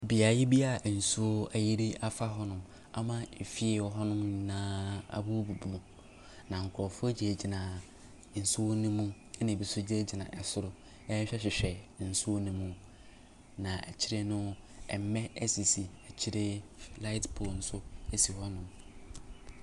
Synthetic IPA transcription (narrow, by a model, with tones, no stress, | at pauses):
bi˨a˨jɪ˦bi˦a˨n̩˨su˦o˦a˨ji˦ɾi˦ʔa˨fa˦ɦɔ˦nʊ̃˦˨m | a̰˨mã˦e˨fi˦e˦˨wɔ˦ɦɔ˦nʊ̃˦mɲ˨nãː˦a̰˨bu˦bu˨bu˨mũ˨ | nã˨ŋ̩˨kʰʊ˨ɾɔ˨fʊ˦d͡ʑi˦e˨d͡ʑi˨nã˨ | n̩˨su˦o˦nũ˦mũ˦ | nã˨bi˨sʊ˦d͡ʑe˦d͡ʑi˨nã˨ʔɛ˨sʊ˦ɾʊ˨ | ɛ˦ɕᶣɛ˦ɕᶣɪ˨ɕᶣɛ˨n̩˨su˦o˦nũ˦mũ˦ | nã˨æ̰˨t͡ɕʰi˦ɾe˦nʊ̃˦ɛ̰˨m˨˦mɛ̃˦ɛ˦si˨si˨æ˨t͡ɕʰi˦ɾe˦la˦ɪ˦tpʰo˨n̩˨sʊ˦e˦si˨hɔ˦nʊ̃˦m